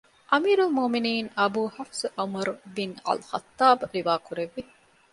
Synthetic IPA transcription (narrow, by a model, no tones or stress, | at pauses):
ʔɐmiːɾɐlmoːminiːnɐbuːhɐfzʔɐmɐɾubinɐ̰lxɐ̰t̪ːaːbɾiʋaːkuɾeʋːi